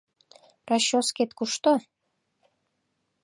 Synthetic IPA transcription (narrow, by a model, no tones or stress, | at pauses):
rɑɕosket̪kuʃt̪o